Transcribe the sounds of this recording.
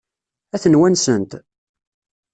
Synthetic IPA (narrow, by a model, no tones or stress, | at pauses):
æθənwænsənt̪